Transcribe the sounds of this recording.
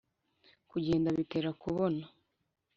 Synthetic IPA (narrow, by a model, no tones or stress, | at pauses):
kuɟe̞ːndaβite̞ːɾakuβo̞na